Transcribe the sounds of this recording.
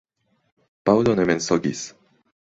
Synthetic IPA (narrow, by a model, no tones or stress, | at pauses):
paɯd̪onemẽnsoɡʲḭs